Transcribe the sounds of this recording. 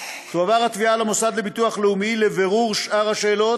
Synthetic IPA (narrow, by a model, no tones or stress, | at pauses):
ʃuavaʁhat̪vialamosad̪le̞bit̪uaχleumile̞ve̞ʁuʁʃʔaʁhaʃe̞ːlo̞